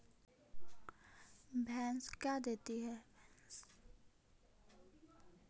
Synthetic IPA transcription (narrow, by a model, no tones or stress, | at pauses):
bʱɛ̃nskjad̪et̪iɦɛbɛns